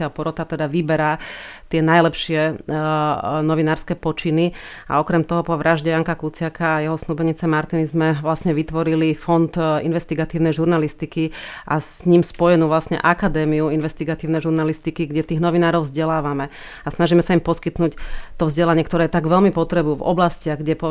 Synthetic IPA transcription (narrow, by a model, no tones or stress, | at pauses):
ɪapɔɾɔt̪at̪ɛd̪aʋibɛɾat̪ɪɛnajlɛpʃɪɛ | nɔʋinaːɾskɛːpɔt͡ʃini | a̰ɔkɾɛmt̪ɔɦɔpɔʋɾʔaʒɟɛjaŋkakut͡sɪakaːjɛɦɔsnubɛɲit͡sɛmaɾt̪inizmɛʋlasɲɛʋit̪ʋɔɾilifɔnd̪ḭnʋɛst̪iɡat̪iːʊnɛjʒuɾnalist̪ikiʔa̰sɲimspɔjɛnuːʋlasɲɛ̰ʔakad̪ɛːmiuinʋɛst̪iɡat̪iːʊnɛjʒuɾnalist̪ikiɡɟɛt̪iːɣnɔʋinaːɾɔʊvzɟɛlaːʋamɛ | asnaʒiːmɛsaimpɔskit̪nuːct̪ɔvzɟɛlaɲɪɛkt̪ɔɾɛːjɛt̪aɡʋɛʎmipɔt̪ɾɛbuvɔ̰blascɪaɣɡɟɛpɔ